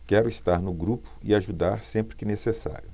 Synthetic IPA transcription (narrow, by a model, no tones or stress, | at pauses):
kɛɾʊist̪aɾnʊɡɾupʊ̥iaʒud̪aɾsẽmpɾɪkɪnesesa̰ɾjʊ